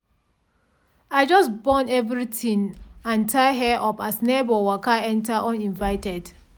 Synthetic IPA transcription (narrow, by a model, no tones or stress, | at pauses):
aɪd͡ʒɔsbɔ̃nɛvɹitĩŋãntʰaɪɦɛʔɔpasnebɔwakaɛ̃ntaʔɔ̃nĩnvaɪtɛd̥